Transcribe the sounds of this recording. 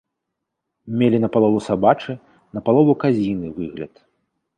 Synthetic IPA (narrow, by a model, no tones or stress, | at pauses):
mʲelʲinɐpalˠɔvusabat͡ʂɨ | nɐpalˠɔvukazʲinɨvɨɣlʲɐ̰t̪